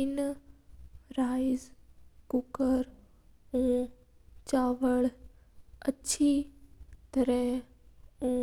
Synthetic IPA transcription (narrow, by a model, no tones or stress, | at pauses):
ɪn | ɾaːɪzkʊkəɾ | ũː | t͡ɕaːʋəɭ | ɐt͡ɕʰi | t̪ɐɾəɦɪ̃ | ũː